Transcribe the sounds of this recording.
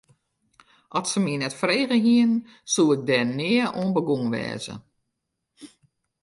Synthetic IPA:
ʔɔsəminɛtfreːɣəɦiən | sulɪɡ̚dɛnːɪːəoənbəɡuŋʋɛ̰ːzə̰

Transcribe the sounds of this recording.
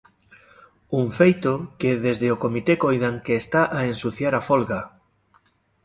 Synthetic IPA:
uɱfejt̪okeðezðeokomit̪ekojðaŋkeːst̪aʔaensuθjaɾafolɣa

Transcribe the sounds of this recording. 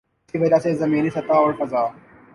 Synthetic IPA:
t̪ʰiːʋɐdaːsezɐmiːniːsɐt̪aːʋɐɾfɐzaː

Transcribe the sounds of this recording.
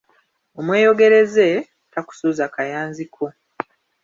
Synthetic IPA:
o̞mwe̞ːjo̞ɡe̞ɾe̞ze̞ | taku̥suːzakajaːnzikʰo̞

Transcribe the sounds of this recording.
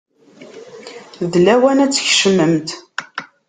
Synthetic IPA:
ðlæwænæt͡sːəçʃəmːəmt̪

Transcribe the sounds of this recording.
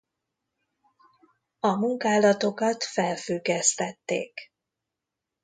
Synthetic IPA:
ɒmuŋkaːlɒt̪o̞kɒt̪fɛlfyɡːɛst̪ɛt̪ːḛːk

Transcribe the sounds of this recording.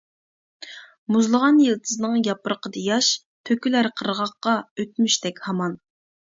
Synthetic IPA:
muzlˠəʁɑnjelˠt̪ʰɨznɨŋjɑpəɾəqʰəd̪ɑjɑʃ | t̪ʰøkʲylæɾqʰəɾʁɑqːɑøt̪̚myʃt̪ɛkʲhɑmɑn

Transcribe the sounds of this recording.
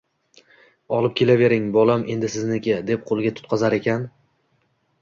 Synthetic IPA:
ɒlˠɪp̚kʲʰe̞lave̞ɾɪŋbɒlamʔe̞nd̪ɪsɪznɪkʲad̪e̞p̚qʰolˠɡʲat̪ʰʊ̥t̪̚qʰɒzaɾe̞kʲan

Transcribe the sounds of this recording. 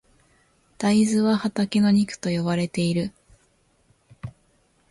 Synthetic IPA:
d̪̥aizɨβahat̪akʲino̞ɲ̟ikɯ̟̥t̪o̞jo̞βaɾe̞t̪e̞iɾɯ̟

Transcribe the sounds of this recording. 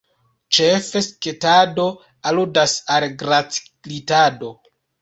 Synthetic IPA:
t͡ʃefesketado̞ | aludasalɡɾat͡s | litado̞

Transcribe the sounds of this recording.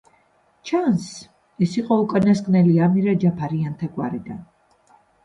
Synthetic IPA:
t͡ʃʰans | ɛsiqʼɔukʼanaskʼnɛliamiɾad͡ʒapʰaɾiant̪ʰaɡwa̰ɾid̪an

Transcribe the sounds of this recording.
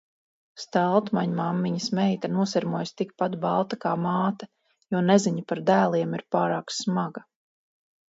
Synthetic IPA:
st̪alˠt̪maɲmamːiɲɐsmɛjt̪anuɔsɛɾmuɔjst̪ikpat̪balˠt̪akaːmaːt̪a | jɔːnɛziɲapaɾd̪æːlˠiɛmiɾpaːɾaːksmaɡɐ

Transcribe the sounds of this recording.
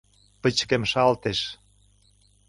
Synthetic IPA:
pət͡ɕkemʃɑlt̪eʃ

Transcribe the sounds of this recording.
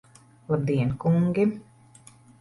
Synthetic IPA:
lˠab̚d̪iɛnkuŋɡʲi

